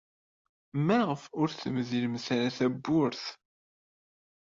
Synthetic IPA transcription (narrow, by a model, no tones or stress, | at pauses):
mæʁəfʊɾθəmðiləmθaɾæθæbːʊɾθ